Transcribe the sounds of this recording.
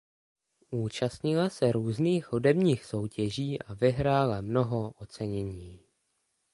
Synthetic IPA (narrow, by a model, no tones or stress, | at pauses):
ʔuːt͡ʃast̪ɲɪlasɛɾuːzniːxhudɛbɲiːxso̞wcʰɛʒiːʔavɪɦɾaːlamno̞ɦoʔot͡sɛɲɛɲiː